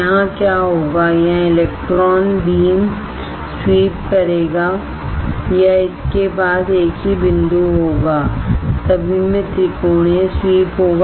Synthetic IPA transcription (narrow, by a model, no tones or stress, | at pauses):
ɦãkjaːɦoːɡajãɪleːk̚ʈɾɔːnbiːn | swiːp̚kɐɾeːɡaː | jaɪskepaːseːkɦibɪ̃nd̪uɦoːɡaːt̪ɐbʱimẽt̪ɾɪkoːɳẽswiːpɦoːɡa